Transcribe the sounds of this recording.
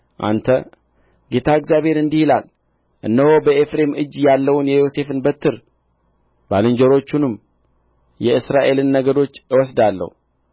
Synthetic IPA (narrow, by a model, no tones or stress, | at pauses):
ʔa̰nt̪ʰə | ɡe̞t̪ʰaɨkzjabe̞ɾɨnd̪ihila̰l | ʔɨ̰nːəho̞bəe̞fɾe̞mɨd͡ʒːjalːəwunjɛjo̞se̞fɨnbət̪ʰːɨɾ | balɨɲd͡ʒəɾo̞t͡ʃːunɨm | jɛɨsɾaʔe̞lɨnːəɡəd̪o̞t͡ʃːɨwɔsd̪alːə̰hu